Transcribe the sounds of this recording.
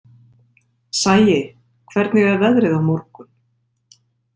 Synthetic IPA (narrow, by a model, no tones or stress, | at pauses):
saːjɪɣ | kʰvɛɾt̪nɪɣɛðvɛðɾɪðavmɔɾkʏn